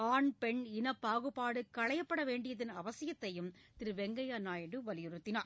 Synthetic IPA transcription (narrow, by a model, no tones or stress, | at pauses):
aːɳpɛɳɪnɐpːaːɣɯpːaːɽɯkːɐɭɐjɐpːɐɽɐʋeːɳɖɪjɐðɪnɐʋɐsɪjɐt̪ːɐjɯmt̪ɪɾɯʋɛŋɡɐjaːnaːjɐɽɯʋɐlɪjɯɾɯt̪ːɪnaːɾ